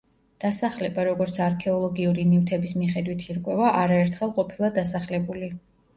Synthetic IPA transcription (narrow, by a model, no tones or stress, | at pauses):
d̪̥asaχlɛbaɾɔɡɔɾt̪sʰaɾkʰɛɔlˠɔɡiuɾinift̪ʰɛbismiχɛd̪wit̪ʰiɾkʼwɛvaʔaɾaɛɾt̪ʰχɛlˠqʼɔpʰilˠad̪asaχlɛbuli